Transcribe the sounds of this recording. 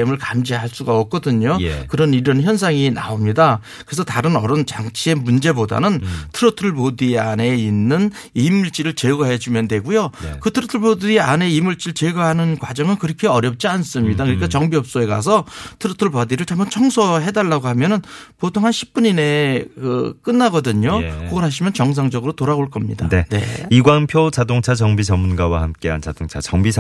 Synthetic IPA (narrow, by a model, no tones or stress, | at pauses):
emɯɭkamd͡ʑiɦaɭs͈uɡaʌp̚k͈ʌdɯɲojkɯɾʌniɾʌnçjʌnsʰaŋina̰omɲida | kɯɾe̞s̬ʰʌtaɾɯnʌɾʌnt͡ɕaŋt͡ɕʰie̞mund͡ʑe̞boda̰nɯntʰɯɾʌtʰɯɭbodiane̞inːɯn | imːuɭt͡ɕ͈iɾɯɭt͡ɕeɡaɦed͡ʑumjʌndwe̞ɡujokɯtʰɯɾotʰɯɭbodiia̰ne̞imuɭt͡ɕ͈iɯɭt͡ɕeɡaɦanɯnkwad͡ʑʌŋɯnkɯɾʌkʰe̞ʌɾjʌp̚t͡ɕ͈ians͈ɯmɲidakɯɾikʰat͡ɕʌŋbiʌp̚s͈oe̞ɡa̰sʰʌtʰɯɾɯtʰɯɭbʌdiɾɯɭt͡ɕamut͡ɕʰʌŋsʰoɦe̞daɭːaɡoɦamjʌnɯnpotʰoŋɦanɕʰi̥p̚p͈uɲine̞kɯk͈ɯnːaɡʌdɯɲokoɡʌɾɦaɕ̬ʰimjʌnt͡ɕʌŋs̬ʰaŋd͡ʑʌɡɯɾotoɾaɡoɭk͈ʌmɲidane̞ne̞̰iɡwaŋpʰjot͡ɕadoŋt͡ɕʰat͡ɕʌŋbid͡ʑʌmːunɡawa̰hamk͈e̞a̰nt͡ɕadoŋt͡ɕʰa̰t͡ɕʌŋbi